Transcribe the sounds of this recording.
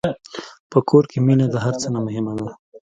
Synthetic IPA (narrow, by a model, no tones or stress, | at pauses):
pəkʰoɾkeminad̪aɦaɾt͡sənamʊɦɪmad̪a